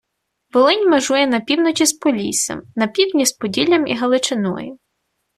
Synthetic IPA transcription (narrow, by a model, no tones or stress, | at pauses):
ʋɔlˠɪnʲmɐʒujɛnɐpʲiwnɔt͡ʃʲispɔlʲḭsɐ̰mnɐpʲiwdʲnʲispɔdʲilʲɐmḭɦɐlˠɪt͡ʃɪnɔ̰jʊ